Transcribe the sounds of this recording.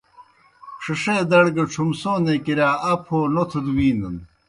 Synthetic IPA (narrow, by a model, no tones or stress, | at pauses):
ʂiʂed̪ɐɽɡɐʈ͡ʂʰumsoːnekiɾaːɐpʰoːnot̪ʰud̪wiːnɐn